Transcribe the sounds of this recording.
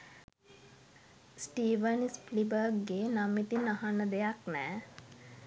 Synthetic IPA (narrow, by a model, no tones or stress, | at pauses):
sʈiːʋənisplibəɡːeːnamit̪inaɦanːəd̪ejaknɛː